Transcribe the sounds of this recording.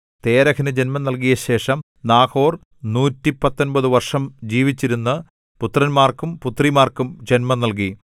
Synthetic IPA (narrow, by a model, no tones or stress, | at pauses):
t̪e̞ːɾɐkʰinɨd͡ʑe̞nmɐnɐlk̬ijɐɕe̞ːʂɐm | naːkʰo̞ːr | nuːtːipɐt̪ːonbɐðɨʋɐrʂɐmd͡ʑiːʋit͡ɕːiɾunːɨ | put̪ːrɐnmaːrkumput̪rimaːrkumd͡ʑenmɐnːɐlk̬i